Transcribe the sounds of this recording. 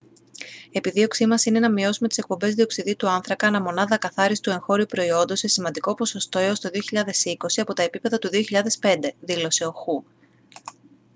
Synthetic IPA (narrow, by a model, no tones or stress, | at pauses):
e̞piðio̞ksimɐsine̞nɐmio̞sume̞t̪i̥se̞k̚po̞mbe̞zðio̞ksiðit̪uɐnθɾɐkɐːnɐmo̞nɐðɐkɐθɐɾist̪ue̞ŋxo̞ɾiupɾo̞io̞nd̪o̞se̞simɐnd̪iko̞po̞so̞st̪o̞eost̪o̞ðioçiʎɐðe̞siko̞siɐpo̞t̪ɐe̞pipe̞ðɐt̪uðio̞çiʎɐðe̞spe̞nd̪e̞ðilo̞se̞o̞xu